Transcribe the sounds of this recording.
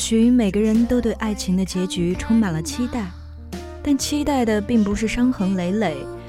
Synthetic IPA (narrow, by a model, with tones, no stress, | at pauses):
ɕy˧˥y˧˥me˨˩ɡə˦ɻə˧˥nt̪o˥ʊt̪we˥˧ɪʔa˥˩ɪt͡ɕʰi˧˥ŋd̪ə˧t͡ɕjɛ˧˥t͡ɕy˧˥ʈ͡ʂʰʊ˥ŋma˨˩nlə˦t͡ɕʰi˥t̪a˥˩ɪ | t̪a˥˩nt͡ɕʰi˥t̪a˥˩ɪd̪ə˩pi˥˩ŋpu˧˥ʂ̬ɻ̩˥˩ʂɑ˥ŋxɤ˧˥ŋle˧˥ɪle˨˩˦ɪ